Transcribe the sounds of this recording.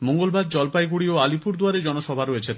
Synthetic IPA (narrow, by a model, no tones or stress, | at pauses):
moŋɡolbaɾd͡ʑɔlpajɡuɽioalipuɾd̪oaɾed͡ʑɔnoʃɔbʱaɾoet͡ɕʰet̪